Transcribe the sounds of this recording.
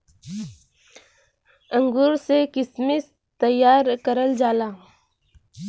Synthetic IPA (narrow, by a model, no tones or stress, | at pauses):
ə̃ŋɡuːɾsekɪsmɪs | t̪əjːaːɾkəɾəld͡ʒaːlaː